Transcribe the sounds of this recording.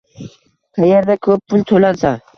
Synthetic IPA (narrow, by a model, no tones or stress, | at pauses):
qʰɑjaɾd̪akʰɵp̚ːʊnt̪ʰolansa